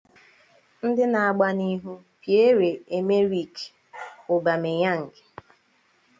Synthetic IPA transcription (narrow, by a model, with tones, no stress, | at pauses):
n̩˦dɪ˦na˨a˨ɡ͡ba˦ni˦ɦu˦ | pje˦ɾe˨e˨me˦ɾi˦˨k | ʊ˨ba˨me˨ɲa˦ŋ̩˨ɡe̥˨